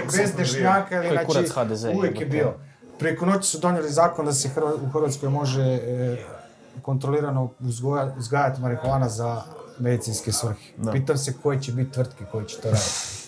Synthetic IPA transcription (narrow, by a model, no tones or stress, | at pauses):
bezd̪eʃɲaːkailiinaiuʋjekjebiːo | pɾiekono̞t͡ɕi̥sud̪o̞ɲelizaːkond̪ase̞xr̩ʋauxr̩ʋat̪sko̞jmo̞ʒe | ko̞nt̪ɾoliːɾanouzɡojauzɡaːjat̪imaɾikulˠaːnazamed̪it̪sinske̞sʋr̩xe̥ppiːt̪amse̞ko̞jet͡ɕebit̪̚ʲt̪ʋr̩t̪keko̞jet͡ɕe̥t̪o̞ɾaːd̪it̪